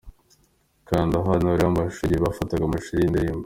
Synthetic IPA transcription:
kandaɦanaɾaβaʃuɾiβafataɡamaʃiɾindeimb

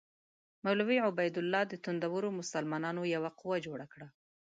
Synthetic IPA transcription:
mawlawiʕʊbajd̪ʊlːɑd̪ət̪und̪awəɾomʊsalmɑnɑnojawaquwad͡ʒoɽakɽa

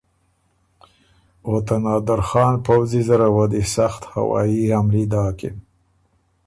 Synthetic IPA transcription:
ot̪anɑːd̪aɾxɑːnpawzizaɾawad̪isaxt̪ha̰wɑ̰ːjihamlid̪ɑːkɪ̰m

